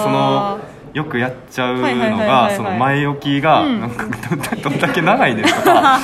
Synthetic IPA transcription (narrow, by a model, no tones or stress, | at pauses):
so̞no̞ | jo̞kɯ̟jat͡ɕaɯno̞ɡaso̞no̞maio̞kʲiɡanãŋkḁd̪od̪d̪o̞nd̪ake̞naɡaid̪e̞sɨkaa